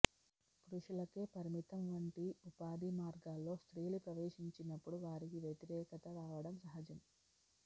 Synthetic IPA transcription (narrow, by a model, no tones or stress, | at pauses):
kɾuʂulɐkeːpɐɾimit̪ɐmʋɐɳʈiupaːd̪imaːɾɡaːlːo̞ːst̪ɾijlupɾɐʋeːʂiɲt͡ʃinɐpːuɽuʋaːɾikiʋjɐt̪iɾɛːkɐt̪ɐʋaːʋɐɽɐmsɐɦɐd͡ʒɐm